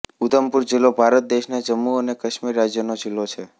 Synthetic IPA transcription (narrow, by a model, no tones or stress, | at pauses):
ut̪əmpuɾd͡ʒilːobʱaɾət̪̚d̪eʃnad͡ʒəmːuənekəʃmiɾːad͡ʒjənod͡ʒilːot͡ʃʰe